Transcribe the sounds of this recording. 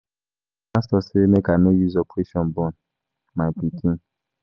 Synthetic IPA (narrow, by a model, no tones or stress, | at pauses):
astɔsemekanojuzɔpʰeʃɔ̃n̩bɔn | majpikĩn